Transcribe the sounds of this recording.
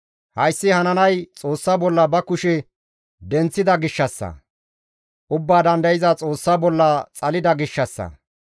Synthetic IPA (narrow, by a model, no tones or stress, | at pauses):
hɐjsːɪhɐnɐnɐjt͡sʼo̞ːsːabɔlːɐbɐkʊʃɛ | d̪ɛnt͡sːɪd̪ɐɡɪʃːɐsːɐ̰ | ʔʊbːaːd̪ɐnd̪ɐjɪzɐt͡sʼo̞ːsːabɔlːɐt͡sʼɐlɪd̪ɐɡɪʃːɐsːɐ̰